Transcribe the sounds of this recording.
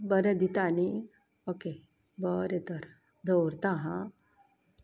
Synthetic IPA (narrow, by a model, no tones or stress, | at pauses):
bəɾed̪it̪ani | oke | bəɾet̪əɾ | d̪ʱowɾt̪aɦã